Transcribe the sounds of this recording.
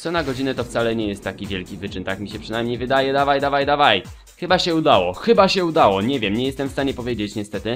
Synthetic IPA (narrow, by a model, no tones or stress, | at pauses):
t̪sɔnaɡɔd͡ʑinɛt̪ɔft̪salɛɲɛjɛst̪ːakʲivʲjɛlkʲivɘt͡ʂɘnt̪akmʲiɕɛpʂɨnajmɲejvɘd̪ajɛd̪avajd̪avajd̪avaj | xɘbaɕɛud̪awɔxɘbaɕɛud̪awɔɲɛvʲjɛmɲɛjɛst̪ɛmfst̪aɲɛpɔvʲjed͡ʑet͡ɕɲɛst̪ɛt̪ɘ